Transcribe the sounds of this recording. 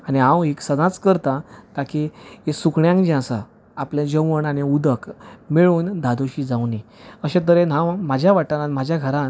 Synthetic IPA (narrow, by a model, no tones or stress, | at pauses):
añiɦãwɦeksəd͡zãt͡skəɾt̪ãt̪akʰiesukɳjãŋkd͡ʑãsa | apljãd͡ʑəʋəɳaɽ̃iud̪əkmeɭuːnd̪ʱad̪oɕiːd͡zawniəɕẽt̪̬əɾenɦãmad͡ʑʱjaʋaʈanam̤ad͡ʑʱjaɡʱəɾã